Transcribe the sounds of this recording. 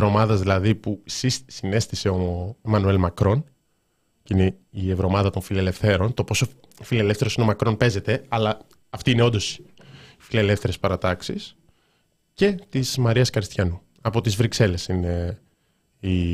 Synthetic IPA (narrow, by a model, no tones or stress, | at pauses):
ɾo̞mɐðɐzðilɐðipusissine̞st̪ise̞oemɐnue̞lmɐkɾo̞n | cineievɾo̞mɐðɐt̪oɱfilele̞fθe̞ɾo̞nt̪o̞po̞so | file̞le̞fθeɾosino̞mɐkɾo̞npe̞ze̞t̪e̞ɐlɐ | ɐft̪iine̞o̞nd̪o̞s | ifile̞le̞fθe̞ɾespɐɾɐt̪ɐksis | ce̞t̪izmɐɾiɐskɐɾist̪çɐnu | ɐpo̞t̪izvɾikse̞le̞sine | i